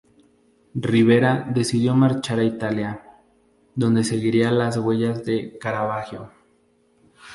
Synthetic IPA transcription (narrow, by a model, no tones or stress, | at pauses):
riβe̞ɾaðe̞siðjo̞maɾt͡ʃaɾait̪alja | ðo̞nd̪e̞se̞ɣiɾialazɣwe̞ʝazðe̞kaɾaβaxjo